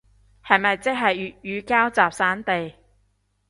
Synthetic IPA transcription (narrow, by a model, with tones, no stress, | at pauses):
hɐ˨jmɐ˨jt͡sɪ˥k̚ɦɐ˨jjyː˨˧kaː˥wt͡saː˨p̚saː˨˥nt̪e˨j